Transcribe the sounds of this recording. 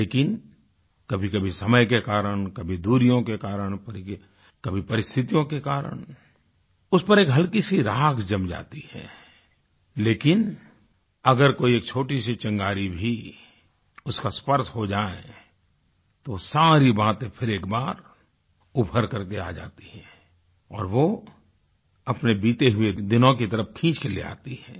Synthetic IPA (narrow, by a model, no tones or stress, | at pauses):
leːkɪn | kɐbʱikɐbʱisɐməjkekaːɾəɽ̃kɐbʱid̪uːɾijõkekaːɾəɳ̃pəɾ | kɐbʱipɐɾɪst̪ʰɪt̪ijõkekaːɾə̰ɳ̃ | ʊspəɾeːkɦɐlkisiɾaːɡʰd͡ʒɐmd͡ʒa̰ːt̪ihɛ̰ː | leːkɪn | ɐɡəɾkoːieːk̚t͡ʃʰoːʈisit͡ʃə̃ŋɡaːɾibʱi | ʊskaspəɾsɦod͡ʒaːḛ̃ | t̪osaːɾibaːt̪ẽpʰɪɾeːkbaːɾ | ʊbʱəɾkɐɾkea̰ːd͡ʒa̰ːt̪i̥ɦɛ̃ː | ɔːɾʋo | ɐpnebiːt̪eɦʊed̪ɪnõkit̪əɾəpkʰĩːt͡ʃkelḛa̰ːt̪iɦɛ̃ː